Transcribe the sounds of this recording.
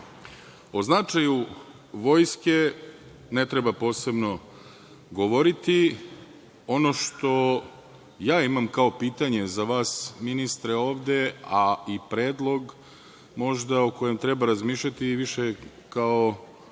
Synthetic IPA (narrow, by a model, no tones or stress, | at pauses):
o̞znat͡ʃaju | ʋo̞jske̞ | net̪ɾebapo̞ːse̞bno̞ | ɡoʋo̞ɾit̪i | o̞noʃt̪o̞ | jaːimamkao̞piːt̪aɲe̞zaʋaːsminist̪ɾeo̞ːʋd̪e̞aipɾeːd̪lˠo̞ɡ | mo̞ʒd̪aoko̞je̞mt̪ɾebaɾazmiːʃʎʲat̪iʋiʃe | kao